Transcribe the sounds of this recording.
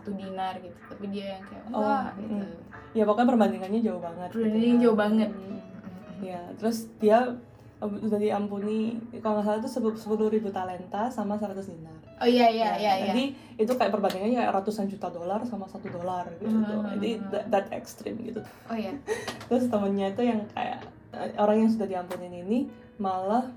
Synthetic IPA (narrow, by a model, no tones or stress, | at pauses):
sat̪udinarɡit̪u̥t̪apidiakajaʔɔɡiu | jabakanp̬ərbandiŋanɲad͡ʒaʊhbaŋət̪̚ɡdd͡ʒaʊhbaŋət̪̚ | jat̪əɾʊsdia | dadiampunikalomas̬alat̪̬usəsə̥puluhɾibut̪alɛnt̪asamasəɾat̪ʊsdinarojajajad͡ʒadi | it̪ukajapərbandiŋanɲakaja̰ɾat̪usand͡ʒut̪adolarsamasat̪udolarɡisut̪ṵd͡ʒa̰didd̪at̪ɛ̰kst̪ɾɪ̰mɡḭt̪u | ojat̪ɾʊst̪əmʊnɲait̪ujaŋkʰa̰ja̰ | ə̰oɾaŋjaŋs̬udahdiampuninini | malah